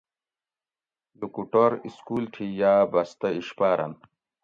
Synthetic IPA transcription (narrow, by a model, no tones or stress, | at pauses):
lukuʈoɾiskuːlʈʰijaːbɐst̪ɐiɕpaːɾɐ̰n